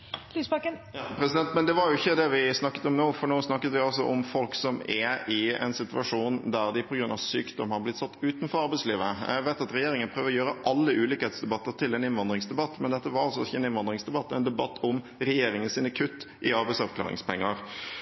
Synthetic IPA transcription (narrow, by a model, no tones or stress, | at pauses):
lyːsbɑkəpʰɾɛsɪd̪ɛnt̪mɛnd̪ɛʋɑɾjʊɪçːəd̪ɛʋɪsnɑkːə̥t̪ɔmnoːfɔɳoːsnɑkːət̪ʋɪɔls̬ɔ̰ʔɔmfɔlksɔmɛɪɛ̰nsɪt̪ʉɑʂuːnd̪æɾd̪ɪpʰɔɡɾʉnɑ̰ʋsyːkd̪ɔmhɑɾblɪt̪ːsɑt̪ːʉːt̪n̩fɔɾɑɾbɛɪsliːʋəæʋæɪt̪ɑt̪ɾɛjeːɾɪŋənpʰɾøːʋəɾɔjøːɾəʔɑlːəʔʉːliːkəhɛeːt̪sd̪ɛbɑt̪ːəɾt̪ʰɪlɛnɪnʋɑnd̪ɾɪŋsd̪ɛbɑt̪ːmɛnd̪ɛt̪ːəʋɑɾɑlsɔɪçəɛnɪnʋɑnd̪ɾɪŋsd̪ɛbɑt̪ːɛnd̪ɛbɑt̪ʰːɔm | ɾɛjeːɾɪŋənsiːnəkʰʉt̪ːʔɪɑɾbɛɪsɑʋklɑ̰ːɾɪ̰ŋspʰɛŋːəɾ